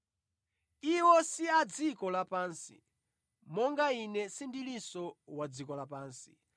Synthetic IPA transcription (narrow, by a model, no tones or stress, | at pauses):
iwɔsiad͡zikɔlapaːnsḭ | mɔŋɡainɛsindilisɔwad͡zikɔlapaːnsi